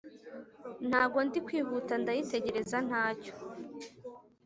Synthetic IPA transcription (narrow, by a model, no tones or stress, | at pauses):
n̥haːbɡo̞ndikwiːɦutandajite̞ɟe̞ɾe̞zan̥haːco̥